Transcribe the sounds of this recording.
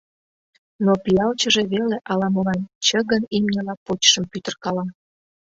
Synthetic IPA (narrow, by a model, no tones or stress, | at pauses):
nopiɑlt͡ɕəʒeβeleʔɑlɑməlɑnt͡ɕə̆ɣənimnʲəlɑpot͡ɕʃə̆mpyt̪ərkɑlɑ